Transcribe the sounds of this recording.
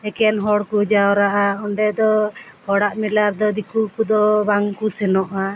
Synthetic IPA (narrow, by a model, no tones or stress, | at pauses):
ɛkɛnɦɔɽkud͡ʒawɔɾaʔaɔɳɖɛd̪ɔhɔɽaʔmilaɾd̪ɔd̪ikukud̪ɔbaŋkusɛnɔʔa